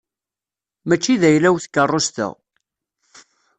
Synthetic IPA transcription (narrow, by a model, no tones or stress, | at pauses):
mæt͡ʃːiðæjlæwθkːərˤːost̪ə̰ʁ